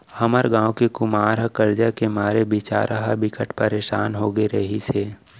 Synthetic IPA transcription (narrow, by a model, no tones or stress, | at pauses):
həməɾɡãːwkekʊmaːɾɦəkəɾd͡ʒakemaːɾebɪt͡ʃa̰ːɾʔaɦəbɪkəʈpəɾeːʃaːnɦoːɡeɾəɦiseː